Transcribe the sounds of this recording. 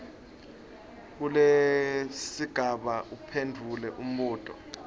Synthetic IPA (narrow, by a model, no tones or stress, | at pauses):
k̬ule | siɡ̥ʱaɓaʔupʰendʱulɛʔum̩ɓɔːtʼɔ̰